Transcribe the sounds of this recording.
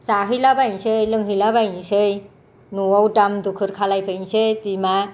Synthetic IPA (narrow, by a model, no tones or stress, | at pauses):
saɦilabaj̃ɕəjləŋɡʱilabaj̃səj | nuwawʈamd̪ukʰəɾkʰalajpʰəjnset̪ima